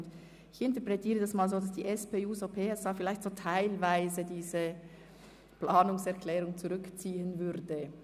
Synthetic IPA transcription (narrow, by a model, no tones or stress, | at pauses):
nd | ɪçɪntɛɐpʁɛtʰiːʁədasmaːlzoːdasd̥iːʔɛspeːuːsoːpʰeːɛsaːfɪlaɪçtz̥oːtʰaɪlvaɪzədiːzə | plaːnʊŋsɛɐkʰlɛːʁʊŋt͡suʁʏkt͡siːənvʏʁdə